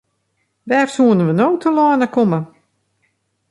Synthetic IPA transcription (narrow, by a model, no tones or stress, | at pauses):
ʋɛːrsuənəʋənoːtʰəlɔːnəkomə